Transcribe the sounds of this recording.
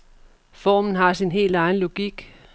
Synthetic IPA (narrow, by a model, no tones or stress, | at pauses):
fɒːmn̩ɦɑ̈sinɦe̝̰ːld̥ɑ̈ɪn̩lo̝ɡ̥iɡ̥